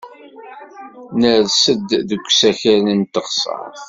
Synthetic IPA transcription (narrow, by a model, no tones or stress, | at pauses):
nəðsəd̪ðəɡʷːsæçæɾənt̪əχsˤə̰